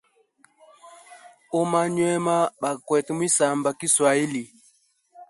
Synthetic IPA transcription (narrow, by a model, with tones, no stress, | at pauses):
ɔ˦ma˦ɲwɛ˦ma˦ɓa˨kwɛ˨tɛ˨mwi˦sa˨mba˨ki˦swa˨i˦li˨